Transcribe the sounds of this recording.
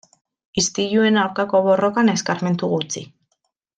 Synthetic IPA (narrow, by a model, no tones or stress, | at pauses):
ist̪iʎue̞nawɾkako̞βo̞ro̞kane̞skaɾme̞nt̪uɣut͡sḭ